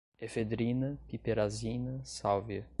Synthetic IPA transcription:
efed̪ɾinɐpipeɾazinɐsawvjɐ

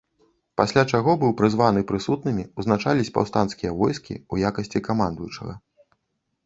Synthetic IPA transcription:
pasʲlʲat͡ʂaɣɔbɨwpɾɨzvanɨpɾɨsut̪̚nɨmʲiuznat͡ʂalʲisʲpa̰wst̪anskʲijɐvɔjskʲḭujakɐsʲt͡sʲikamand̪ujut͡ʂɐ̰ɣɐ̰

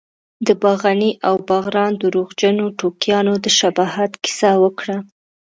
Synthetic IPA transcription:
d̪əbaɣaniʔawbaɣɾɑnd̪əɾoɣd͡ʒanoʈokjɑnod̪əʃabɑɦat̪kɪ̥sawəkɽa

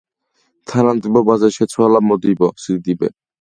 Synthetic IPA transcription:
t̪ʰaɾant̪ibɔbazaʃet͡sʰoalamod̪ibɔsɾid̪ibḛ

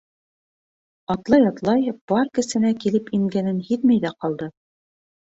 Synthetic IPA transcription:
ɑt̪lˠɑjɑt̪lˠɑjb̥ɑɾkɘ̆sɘ̆nækilɘpiŋɡænɘnhiðmæjðæqɑlˠd̪ɤ

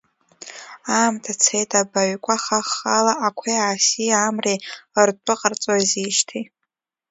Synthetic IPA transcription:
aːmtʰat͡sʰejtʰʼabaɥkʷʼaχaχːalaakʷʰejaːsiamrertʷʰʼʊqʼərt͡sʼaziʃtʰi

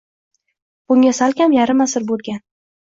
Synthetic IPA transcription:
b̥ʊŋʲasalˠkʲamjaɾɪmasɪɾbolˠɡʲan

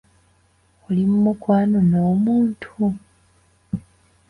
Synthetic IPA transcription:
ulimumukwaːnonoːmuːntʰu

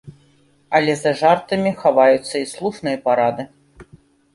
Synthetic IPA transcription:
ɐlʲɛzɐʐart̪ɨmʲixavajut̪sːɐislˠuʂnɨjɐpaɾad̪ɨ

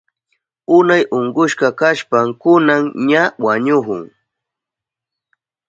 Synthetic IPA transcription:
ʊnajʔoɴɢʊʃkɑkaʃpamkʊnaŋɲawaɲʊhʊ̰ŋ

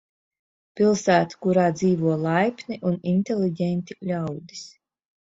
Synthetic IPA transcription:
pʲilˠsæːt̪u̥kuɾaːd̪ziːvuɔlˠajpʲnʲiʔuninʲt̪ʲelʲiɟʲɛnʲt̪ʲilʲawd̪is

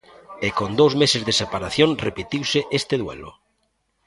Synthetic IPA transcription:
ekond̪owzmesezðesepaɾaθjõŋrepit̪iwseʔest̪eðwḛlʊ̰

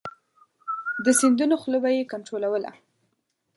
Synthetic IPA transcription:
d̪əsind̪unoxləbajekaɳʈɾolawəla̰

